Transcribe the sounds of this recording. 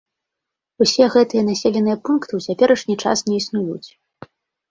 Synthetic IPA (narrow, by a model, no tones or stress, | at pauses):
usʲɛɣɛt̪ɨjɐnasʲɛlʲɛnɨjɐpunkt̪ɨwt͡sʲapʲɛɾɐʂnʲit͡ʂa̰snʲɛisnujṵt͡sʲ